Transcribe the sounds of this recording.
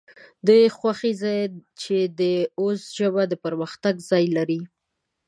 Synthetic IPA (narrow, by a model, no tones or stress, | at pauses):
d̪əjxwaxizɑjt͡ʃed̪əozʒəbad̪əpəɾməxt̪aɡzɑjlaɾi